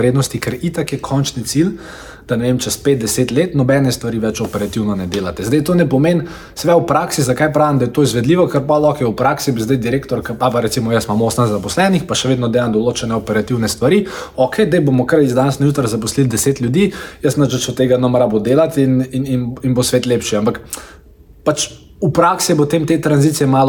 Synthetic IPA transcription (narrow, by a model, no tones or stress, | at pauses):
ɾeːd̪nɔst̪ikəɾit̪akjɛkʰɔnt͡ʃnit̪sil | d̪̥ɐnɛʋemt͡ʃɛspet̪̚d̪ɛseːt̪leːt̪nɔbɛnɛst̪ʋaɾiʋɛt͡ʃɔpɛɾat̪iwnɔnɛd̪eːlat̪ɛzd̪ɛjt̪oːnɛpɔmen | sʋɛwpɾaksizɐkajpɾaːʋimd̪ajɛt̪oːizʋɛd̪liːʋɔkəɾpɔlɔxɛwpɾaksibizd̪ajd̪iɾeːkt̪ɔɾkəapaɾɛt̪simɔjəsmamosənzapɔslɛnixpaʃɛʋeːd̪nɔd̪eːjand̪ɔloːt͡ʃɛnɛɔpɛɾat̪iwnɛst̪ʋaɾiɔkʰɛjd̪ɐjbomɔkəɾizd̪anɛsnajut̪ɾzɐpɔslild̪ɛseːt̪lʲjud̪iːjəsnɐt͡ʃət͡ʃɔt̪ːeːɡanɐmɾabod̪eːlat̪ininininbosʋeːt̪leːpʃiampak | pat͡ʃ | upɾaksipot̪emt̪et̪ɾɐnzit̪sijɛmaːl